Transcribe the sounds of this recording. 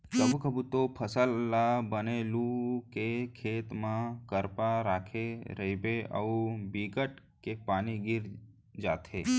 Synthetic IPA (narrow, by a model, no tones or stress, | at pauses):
kəbʱukəbʱut̪opʰəsəlːabənelũkekʰeːt̪mãkəɾpaɾaːkʰeɾəibeə̰ubiɡəʈ | kepaːniɡɪɾ | d͡ʒaːt̪ʰeː